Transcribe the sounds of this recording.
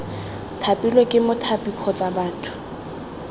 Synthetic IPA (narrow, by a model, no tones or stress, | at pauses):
tʰapʼilɔkʼɪmʊtʰapʼikʰɔt͡sʼabaːtʰʊ̥